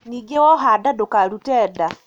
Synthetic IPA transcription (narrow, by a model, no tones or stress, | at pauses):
niɡewɔɦadadokaɾutɛːda